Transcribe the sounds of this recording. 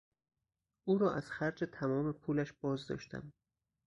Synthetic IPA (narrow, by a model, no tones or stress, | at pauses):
ʔuːɾɒːʔæz̥xæɾd͡ʒet̪ʰæmɒːme̞pʰuːlæʃb̥ɒːzd̪ɒ̰ːʃt̪ʰæ̰m